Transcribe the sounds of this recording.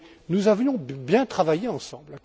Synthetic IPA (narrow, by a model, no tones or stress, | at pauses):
nuzavjɔ̃bjɛ̃t̪χavajeɑ̃sɑ̃bl